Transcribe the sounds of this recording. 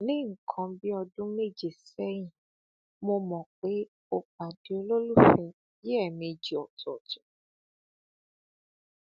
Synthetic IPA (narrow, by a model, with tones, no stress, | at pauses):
nĩ˦ŋ̩˨kʰɔ̃˧bi˦ɔ˧dũ˦me˦˨d͡ʒe˨sɛ˦jĩ˨ | mõ˧mɔ̃˨k͡pe˦ | o˧k͡pa˨di˨o˦lo˦lu˦fɛ˨ | je˦ɛ˦˨mĩ˨˧d͡ʒi˨ɔ˨tɔ˨tu˨